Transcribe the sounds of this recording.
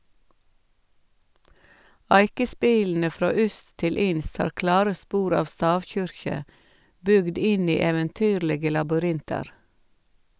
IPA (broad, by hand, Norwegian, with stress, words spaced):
ˈæɪkəˌspiːln̩ə ˈfɾoː ˈʏst ˈtɪl ˈɪnst ˈhɑːɾ ˈklɑːɾə ˈspuːɾ ˈɑːʋ ˈstɑːʋˌçʏɾçə ˈbʏɡd ˈɪn ˈiː ɛʋənˈtyːɾləɡə lɑbʏˈɾɪntɑɾ